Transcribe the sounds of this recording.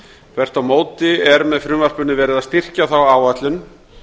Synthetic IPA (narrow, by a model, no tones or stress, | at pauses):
kʰvɛr̥t̪awmoːwt̪ɪɛɾmɛðfɾʏːvar̥pʏnɪvɛːɾɪðast̪ir̥caθawaːwat̪lʏn